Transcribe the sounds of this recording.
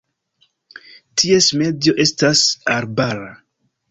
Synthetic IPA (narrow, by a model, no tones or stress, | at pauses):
tʰie̞sme̞dijo̞ʔe̞stasaɾbaɾa